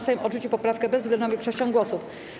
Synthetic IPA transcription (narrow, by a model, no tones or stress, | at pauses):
sajĩmʔɔʐut͡ɕiwpɔpɾafkɛbɛzzɡlɛnd̪ɔ̃vʲjʲiɛkʂɔɕt͡ɕɔ̃ŋɡwɔsuf